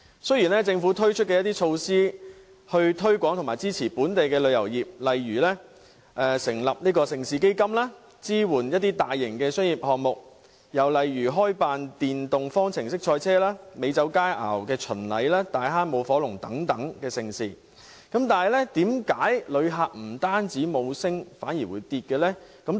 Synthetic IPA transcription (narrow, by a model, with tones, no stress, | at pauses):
sɵ˥jiː˨˩nlɛ˥t͡sɪ˧ŋfuː˨˥t̪ʰɵ˥ɥt͡ʃʰɵ˥t̚kɛ˧jɐ˥t̪̬iː˥t͡ʃʰo˧wsiː˥ | hɵ˧ɥt̪ʰɵ˥ɥkʷɔː˨˥ŋt̪ʰmaː˨˩t͡siː˥t͡sʰiː˨˩puː˨˥nt̪e˨jkɛː˧lɵ˨˧jɐ˨˩wjiː˨p̚lɐ˨jɥyː˨˩lɛ˥ | ʔɛː˨˧sɪ˨˩ŋlɐ˨p̚niː˥kɔː˧sɪ˨˧ŋsiː˧ke˥jkɐ˥mlaː˥ | t͡siː˥wuː˨˩njɐt̪̚ːiː˥t̪aː˨jːɪ˨˩ŋkɛː˧sɵ˥nji˨p̚hɔː˨ŋ̚mʊ˨k̚ | jɐ˨˩wlɐ˨jɥyː˨˩ɦɔː˥jpaː˨˧nt̪iː˨nt̪ʊ˨ŋfɔː˥ŋt͡sʰɪ˨˩ŋsɪ˥k̚t͡ʃʰɔː˧jt͡sʰɛː˥laː˥me˨˧jt͡sɐ˨˥wkaː˥jʔa̰ː˨˩wkɛː˧t͡ʃʰɵ˨˩nlɐ˨˧jlaː˥t̪aː˨˧jɦaː˥nmo˨˧wfɔː˨˥lʊ˨˩ŋt̪ɐ˨˥ŋt̪ɐ˨˥ŋkɛː˧sɪ˨˧ŋsiː˧ | kɐ˨˥mt̪aː˨nhjlɛ˥t̪iː˨˥mkaː˨˥jlɵ˨˧ɥɦaː˨k̚m̩˨˩t̪aː˥nt͡siː˨˥mo˨˧wsɪ˥ŋfaː˨˥njiː˨˩wṵː˨˧jt̪iː˧t̚kɛː˧lɛː˥kɐ˨˥m